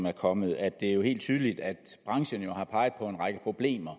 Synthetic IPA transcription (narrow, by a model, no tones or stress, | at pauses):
mæɐkʰɒ̽mð̩ˠæd̥e̝æɐjo̝he̝̰ːld̥t͡sʰyːð̞ˠəlid̥æd̥b̥ʁɑ̈ŋɕənjo̝hɑ̈pʰɑ̈ɪð̞̩ˠpʰɒ̽e̝nʁɑ̈ɡ̥əpʰʁo̝b̥le̝̰ːmɐ